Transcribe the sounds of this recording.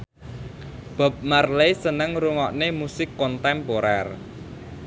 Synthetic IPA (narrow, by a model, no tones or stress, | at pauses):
b̥a̤p̚marlesənəŋɾuŋɔʔnemusɪkːɔnt̪ɛmpoɾɛ̰r